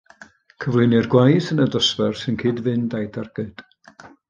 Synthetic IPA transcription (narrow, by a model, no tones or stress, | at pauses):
kʰəvlˠɨnɨrɡwajθənədɔsvɛrsɨnkʰɨːdvɨndajdarɡ̥ɨd̥